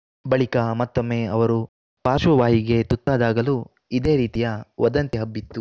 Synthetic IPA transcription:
bɐɭikɐmɐt̪ːomːeːɐʋɐɾu | paːʃɐʋaːɦiɡe̞t̪ut̪ːaːd̪aːɡɐlu | id̪e̞ːɾiːt̪ijɐʋɐd̪ɐnt̪iɦɐbːit̪ːu

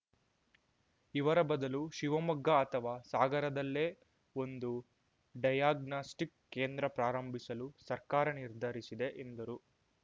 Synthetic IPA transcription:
iʋɐɾɐbɐd̪ɐluʃiʋɐmɐɡːɐːt̪ʰɐʋaːsaːɡɐɾɐd̪ɐlːe̞ː | o̞nd̪u | ɖɐjaːɡnaːsʈikːeːnd̪ɾɐpɾaːɾɐmbʱisɐlusɐɾkaːɾɐniɾd̪ʱɐɾisid̪e̞ʔend̪ɐɾu

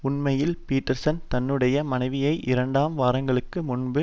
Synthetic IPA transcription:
ʊnmɐjɪlpiːʈːɐɾsɐnt̪ɐnːɯɽɐjɐmɐnɐɪʋɪjɐɪʔɪɾɐɳɖaːmʋaːɾɐŋɡɐɭɯkːɯmʊnbɯ

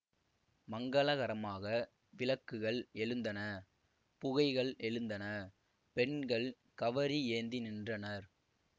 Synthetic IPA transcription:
mɐŋɡɐɭɐɣɐɾɐmaːɣɐ | ʋɪlɐkːɯɣɐɭɛɻɯnd̪ɐnɐ | pʊɣɐɪɣɐɭɛɻɯnd̪ɐnɐ | pɛɳɡɐɭ | kɐʋɐɾieːnd̪inɪndrɐnɐɾ

